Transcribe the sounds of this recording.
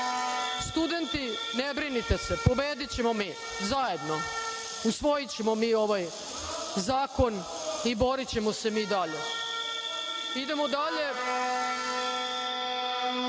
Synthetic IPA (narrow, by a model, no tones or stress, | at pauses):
st̪ud̪e̞nt̪i | nebɾinit̪e̞sepo̞beːd̪it͡ɕe̞momiː | zaje̞d̪no̞ | usʋo̞jit͡ɕemo̞miːo̞ʋaj | zaːko̞n | ibo̞ɾit͡ɕe̞mose̞miːd̪aʎe̞ | id̪e̞mod̪aʎe̞